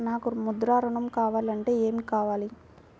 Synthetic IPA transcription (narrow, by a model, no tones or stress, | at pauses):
naːkumud̪ɾaːɾɐɳɐmkaːʋaːlɐɳʈe̞ːeːmikaːʋaːli